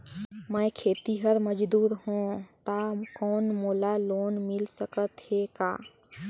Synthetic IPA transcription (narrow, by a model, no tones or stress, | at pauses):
məjkʰeːt̪iɦəɾməd͡ʒd̪uːɾɦõt̪akɔːnmoːlaloːnmɪlsəkət̪heka̰ː